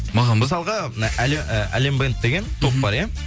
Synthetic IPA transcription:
mɑməsɑlˠʁɑʔæleæ̰lembent̪d̪eɡʲe̞nt̪ʰo̞pbɑɾje

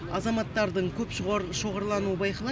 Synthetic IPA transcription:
ɑzɑmɑt̪ːɑɾd̪əɴkʲʰɵpʃʁʃo̞ʁəɾlˠɑnuəbɑjqəlˠɑ

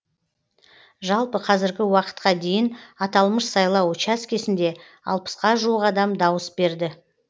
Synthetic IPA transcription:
ʒɑlˠpəqʰɑzɪɾɡʲɪwɑqə̥t̪̚qɑd̪e̞jɪnɑt̪ɑlˠməʃsɑjlˠɑwt͡ʃaskʲe̞sɪnd̪e̞ | ɑ̰lˠpə̥sqɑʒuəʁɑd̪ɑmd̪ɑwəsbe̞ɾd̪ɪ

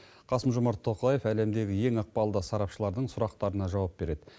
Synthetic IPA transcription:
qʰɑsəmʒʊmɑɾt̪ʰːo̞qlˠɑje̞fæle̞md̪e̞ɡʲɪje̞ŋɑq̚pɑlˠd̪əsɑɾɑpʃəlˠɑɾd̪əɴsʊɾɑq̚t̪ɑɾənɑʒɑwɑp̚b̥e̞ɾe̞d̪̥ɪ

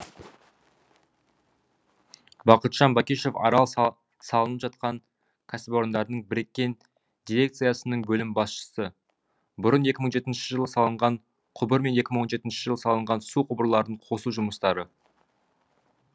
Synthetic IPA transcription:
bɑqət̪ʒ̥ɑnbɑkʲiʃe̞fɑ̰ɾɑlˠ | sɑlˠənəpʒɑt̪̚qɑn | kʲʰasɪpo̞ɾənd̪ɑɾnəɴbɪɾe̞kʲːe̞n | d̪̥ʲiɾʲe̞k̚t̪sɨjasənəɴbɵlɪmbɑsʃə̥sə | bʊɾəne̞kʲɪməɴʒe̞t̪ɪnʃəʒəlˠəsɑlˠəɴʁɑɴ | qʰʊbəɾme̞ne̞kʲɪməɴwonʒe̞t̪ɪnʃəʒəlˠəsɑlˠəɴʁɑnsuqʰʊbəɾlˠɑɾd̪əɴqʰo̞suʒʊməst̪ɑɾə

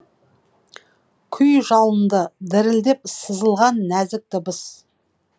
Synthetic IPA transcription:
kʲʰʏjʒɑlˠənd̪əd̪ɪɾɪld̪e̞p̚səzəlˠʁɑnːæzɪk̚t̪ɪbəs

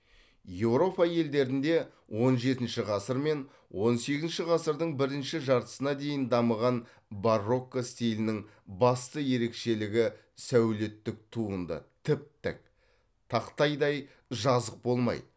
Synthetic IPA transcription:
je̞wɾo̞pɑje̞ld̪e̞ɾɪnd̪e̞ | wo̞nʒe̞t̪ɪnʃɪʁɑsəɾme̞n | wʔo̞nse̞ɡʲɪznʃɪʁɑsəɾd̪əɴbɪɾɪnʃɪʒɑɾt̪ə̥sənɑd̪e̞jɪnd̪ɑməʁɑn | barːo̞kːost̪ʲijlɪnɪŋ | bɑst̪əje̞ɾe̞kʃe̞lɪɡʲɪ | sæwle̞t̪ːɪk̚t̪ʰuənd̪ə̰t̪ʰɪp̚t̪ɪ̰k̚ | t̪ʰɑqt̪ɑjd̪ɑj | ʒɑzəq̚bo̞lˠmɑ̰jd̪ə

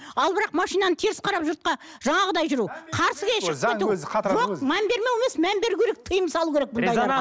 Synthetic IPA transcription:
ɑlˠbəɾɑqmɑʃijnɑnət̪ʰeɾɪsqʰɑɾɑpʒʊɾt̪̚qɑ | ʒ̥ɑɴɑʁəd̪ɑjʒʏɾuqʰɑɾsəɡʲeʃɪet̪uɑʒomæmbe̞ɾmeweme̞smæmbe̞ɾukʲʰeek̚t̪ʰəjəmsɑlˠukʲʰeɾek̚bʊnnd̪ɑj

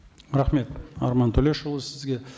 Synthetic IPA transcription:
ɾɑχme̞t̪ɑ̰ɾmɑnt̪ʰɵle̞ʃəlˠəsɪzɡʲe̞

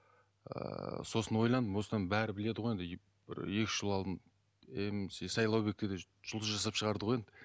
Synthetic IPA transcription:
ə̰so̞sənwo̞jlˠɑnd̪əmwo̞səd̪ɑnbæɾɪbɪle̞d̪ɪʁojend̪ɪ | b̥ɪ̰ɾe̞kʲɪʒ̥əlˠɑlˠd̪ən | emsesɑjlˠɑwbe̞k̚t̪ed̪e | ʒ̥ʊlˠd̪əsʒɑs̬ɑpʃəʁɑɾd̪əʁoje̞nd̪ɪ

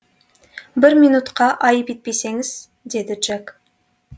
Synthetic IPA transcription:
bɪɾmijnut̪qɑʔɑjəpet̪̚pe̞jse̞ŋɪz̥ | d̪e̞d̪ɪʒ̥ak

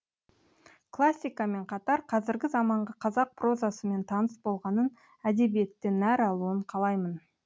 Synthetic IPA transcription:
kʰlˠasʲːijkame̞ɴqʰɑt̪ɑɾqʰɑzɪɾɡʲɪzɑmɑɴʁɑqʰɑzɑq̚pro̞zasəme̞nt̪ʰɑnəsbo̞lˠʁɑnən | æd̪e̞bije̞t̪ːɪnæɾɑlˠuəɴqʰɑlˠɑjmən

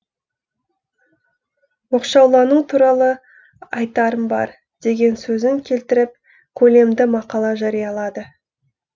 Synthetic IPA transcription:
woqʃɑwlˠɑnut̪ʰuɾɑlˠə | ɑjt̪ɑɾəmbɑ̰ɾ | d̪̥e̞ɡʲe̞nsɵzɪŋkʲʰe̞lt̪ɪɾɪp̚ | kʲʰɵle̞md̪ɪmɑqɑlˠɑʒɑɾijɑlˠɑd̪ə

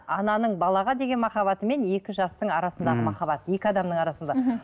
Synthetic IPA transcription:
ɑnɑnəɴbɑlˠɑʁɑd̪e̞ɡʲe̞nmɑχɑβɑt̪əme̞ne̞kʲɪʒɑst̪əɴɑɾɑsənd̪ɑʁəmɑχɑbɑt̪əje̞kʲɪɑd̪ɑmnəɴɑɾɑsənd̪ɑ

